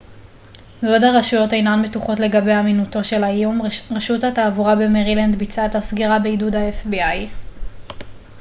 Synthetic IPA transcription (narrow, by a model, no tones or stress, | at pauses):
meodaʁaʃujo̞tejnanme̞tuχo̞tle̞ɡabe̞jaminuto̞ʃe̞lajumʁeʃutataːvuʁabe̞meʁiland̪bit͡sathasɡiʁabeidudaefbiaj